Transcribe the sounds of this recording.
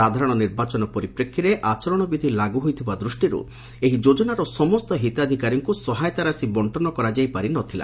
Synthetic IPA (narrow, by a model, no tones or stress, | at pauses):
ad̪ʱaɾɔɽ̃ɔniɾbat͡ʃɔnɔpɔɾipɾekʰːiɾeʔat͡ʃɔɾɔɽ̃ɔbid̪ʱilaɡuɦojt̪ʰibad̪ɾusʈiɾṵ | eɦid͡ʒod͡ʒɔnaɾɔsɔmɔst̪ɔɦit̪ad̪ʱikaɾjɔŋkusɔɦajt̪aɾasibɔɳʈɔnɔkɔɾad͡ʒajpaɾinɔt̪ʰila̰